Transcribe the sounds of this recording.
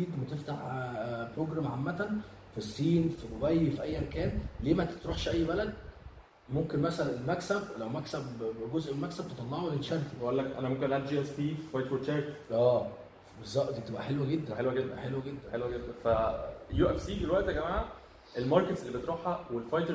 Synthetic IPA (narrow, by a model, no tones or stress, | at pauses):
iːd̪wet̪eft̪aħpɾoɡɾæmʕamːæt̪æn | fisˤːiːnfiɡobæjːfiʔæjːæmækæːnleːmæt̪t̪ɾuːħʃʔæjːbælæd̪ | momkenmæsælænelmæksæblæwmæksæbɡozʔelmæksæb̚t̪et̪ˤɑlːɑʕoletʃæɾt̪iweʔolːækʔæ̰næmomkenʔæːt̪̚d͡ʒiːʔæspiːfifɑjt̪ɾet͡ʃæɾt̪ʔæː | bezːɑʔt̪ˤit̪ebʔæħelwæɡed̪ːænħelwæɡed̪ːæ̰ħelwæɡed̪ːænħelwæɡed̪ːænfæjuːʔefsiːd̪elwæʔt̪hæɡæmaːʕa | ʔelmɑɾˤket̪sʔelːibet̪ɾuːħhæwelfɑjt̪eɾ